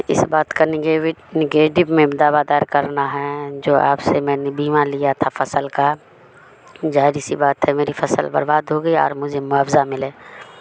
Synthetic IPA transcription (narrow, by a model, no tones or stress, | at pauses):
ɪ̰sbaːt̪kanɡenɪɡeːʈɪbmẽd̪aːbad̪aːɾkɐɾnaɦɛd͡ʒoːa̰ːpsemɛ̃ːnebiːmalijat̪ʰafɐsəlka | d͡ʒaːɪɾisibaːt̪ɦɛmeːɾifɐsəlbɐ̰ɾbaːd̪ɦoːɡəiɔ̰ːɾmʊd͡ʒʱemʊɦaːfzamɪleː